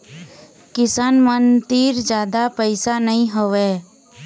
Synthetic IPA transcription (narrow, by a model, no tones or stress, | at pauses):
kɪsaːnmənd̪iːɾd͡ʒjaːd̪apəɪsanəɦĩɦoʋeː